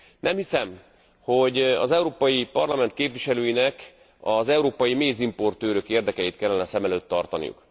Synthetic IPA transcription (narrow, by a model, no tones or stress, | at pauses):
nʔɛmhisɛm | ho̞ɟɒ̰zɛuɾoːpɒjipɒrlɒmɛnt̪̚keːpʋiʃɛløːjinɛk | ɒzɛuɾoːpɒjimeːzimpo̞rt̪øːɾøkeːrd̪ɛkɛjit̪̚kɛlːɛnɛsɛmɛløːt̪ːɒrt̪ɒnḭjṵk